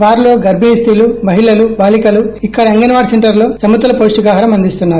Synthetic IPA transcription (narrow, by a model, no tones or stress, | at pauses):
ʋaːɾlo̞ːɡɐɾbʱinist̪ilumɐɦiɭɐlubaːlikɐluikːɐɽɐeŋɡɐnɐʋaːɖseɳʈɐɾlo̞ːsɐmud̪ɐlɐpoːsʈiɡaːɦɐɾɐmɐnd̪ist̪unːaːɾu